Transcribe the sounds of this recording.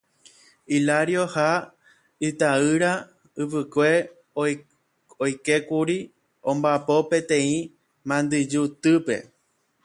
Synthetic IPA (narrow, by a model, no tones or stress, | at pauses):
ilaɾjoha | ɨt̪aɨɾa | ɨʋɨkʷe̞ | ojke̞kuɾi | õ̞mbapo̞pẽ̞t̪ẽ̞ĩ | mãnd̪ɨd͡ʒut̪ɨpe̞̰